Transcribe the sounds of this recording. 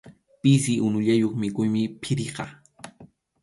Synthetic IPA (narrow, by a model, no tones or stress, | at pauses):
pɪs̬ɪʔʊnʊʎajoχmɪkʊjmɪpʰɪɾeqɑ̰